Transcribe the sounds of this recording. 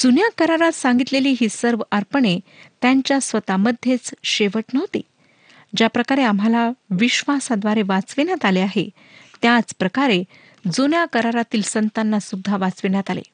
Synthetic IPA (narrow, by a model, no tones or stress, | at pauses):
d͡zunjakəɾaɾat̪sãŋɡit̪leliːɦiːsəɾʋəɾpəɳet̪jaɲt͡ɕjasʋət̪aməd̪ʱːjet͡sɕeʋəʈnəɦot̪ḭː | d͡ʑjapɾəkaɾeam̤alaʋiɕʋasad̪ʋaɾeʋat͡sʋeɳjat̪aleaɦḛ | t̪jat͡spɾəkaɾe | d͡zonjakəɾaɾat̪iːlsənt̪anːasud̪ʱːaʋat͡sʋeɳjat̪alḛ